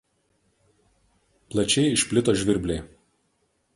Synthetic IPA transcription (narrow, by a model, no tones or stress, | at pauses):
plˠɐt͡ʃʲɛɪɪʃʲpʲlʲɪt̪oːʒʲʋʲɪɾʲbʲlʲɛɪ